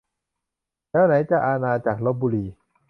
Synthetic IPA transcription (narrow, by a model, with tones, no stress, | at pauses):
lɛː˦˥˩wna˩˨˦jt͡ɕa˨˩ʔaː˧naː˧t͡ɕaː˨˩k̚lo˦˥p̚buː˧liː˧